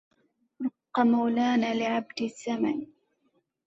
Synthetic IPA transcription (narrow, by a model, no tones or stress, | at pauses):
ɾʊqːɑmawlaːnaːlɪʕab̚d̪ɪsːama̰n